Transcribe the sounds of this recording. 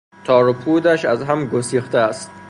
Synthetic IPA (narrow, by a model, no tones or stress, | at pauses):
t̪ʰɒːɾopʰuːd̪æʃæzɦæmɡosiːxt̪eæst̪̚